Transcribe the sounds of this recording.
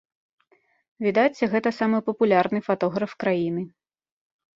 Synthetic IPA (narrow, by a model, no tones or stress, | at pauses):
vʲid̪at͡sʲɛɣɛt̪ɐsamɨpɐpulʲarnɨfat̪ɔɣɾɐfkɾajinɨ